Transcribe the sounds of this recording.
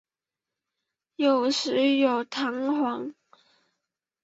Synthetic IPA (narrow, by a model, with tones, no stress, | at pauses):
jo˨˩ʊʂɻ̩˧˥jo˨˩ʊt̪ʰɑ˧˥ŋxwɑ˧˥ŋ